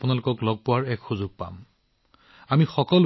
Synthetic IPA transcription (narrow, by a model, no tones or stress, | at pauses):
pʊnalʊkɔklɔɡ̚pʊwaɹɛkxuzʊɡ̚pa̰m | amixɔkɔl